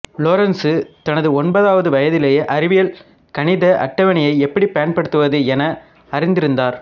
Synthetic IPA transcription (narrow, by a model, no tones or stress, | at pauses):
loːɾɐnsɯt̪ɐnɐðɯɔnbɐðaːʋɐðɯʋɐjɐðɪleːjeːʔɐɾɪʋɪjɐl | kɐɳɪðɐʔɐ̰ʈːɐʋɐɳɪjɐɪɛpːɐɽipɐjɐnpɐɽɯt̪ːɯʋɐðɯɛnɐ | ɐrɪnd̪ɪɾɯnd̪aːɾ